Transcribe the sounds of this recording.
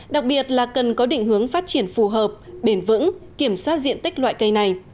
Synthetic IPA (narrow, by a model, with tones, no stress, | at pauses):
ɗa˨˩k̚ɓi˨˩ət̚laː˨˩kə˨˩nkɔ˨˦ɗḭ̈˧˨ŋ̟hɨ˨˦əŋfaː˦˥t̚t͡ɕi˧˩ənfu˨˩ɦəː˨˩p̚ɓe˧˩nvɨ̰˧˥ŋki˧˩əmswaː˦˥t̚zḭ˧˨ənt̪i˦˥k̟̚lwa̰ː˧˨jkə˧jna˨˩j